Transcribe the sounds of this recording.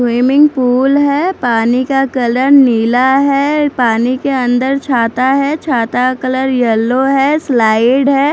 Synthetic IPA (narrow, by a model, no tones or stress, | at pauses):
wiːmɪ̃ŋɡpuːlɦɛːpaːnikakɐləɾniːlaɦɛːpaːnikeə̃nd̪əɾt͡ʃʰaːt̪aɦɛt͡ʃʰaːt̪akələɾjɐlːoɦɛːslaːɪɖɦɛː